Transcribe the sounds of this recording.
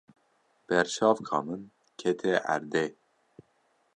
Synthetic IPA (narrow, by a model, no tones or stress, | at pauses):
b̥ɛɾʃɑːvkʰɑ̰ːmɨn | kʰɛt̪ʰɛʔæ̰ɾd̪e